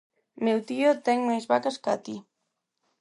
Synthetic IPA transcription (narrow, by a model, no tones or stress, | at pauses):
mewt̪iot̪ɛŋmajzβakaskat̪i